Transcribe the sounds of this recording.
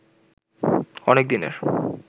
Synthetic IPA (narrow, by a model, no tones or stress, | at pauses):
ɔnek̚d̪inḛɾ